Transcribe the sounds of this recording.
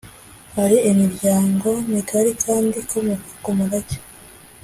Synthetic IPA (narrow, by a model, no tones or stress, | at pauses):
haɾiimiɾɟaːŋɡo̞nikʰaɾikʰaːndikomukakomuɾaɟe̥